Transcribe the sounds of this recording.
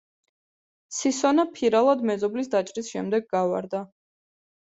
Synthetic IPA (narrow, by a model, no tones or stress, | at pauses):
sisɔnapʰiɾalˠad̪mɛzɔblisd̪at͡ʃʼɾisʃɛmd̪ɛɡɡava̰ɾd̪a